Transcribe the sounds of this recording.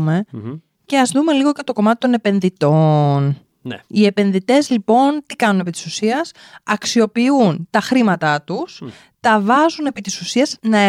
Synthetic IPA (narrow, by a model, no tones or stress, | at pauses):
me̞ | ce̞ɐzðume̞liɣocet̪o̞ko̞mɐt̪it̪o̞ne̞pe̞nðit̪o̞n | ie̞pe̞nðit̪e̞zlipo̞nt̪ikɐnune̞pit̪i̥susiɐsɐksio̞piunt̪ɐxɾimɐt̪ɐt̪us | t̪ɐvɐzune̞pit̪isusiɐznɐe